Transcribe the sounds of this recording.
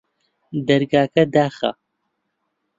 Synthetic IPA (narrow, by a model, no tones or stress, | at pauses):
d̪ɐɾɡaːkɐd̪aːχa̰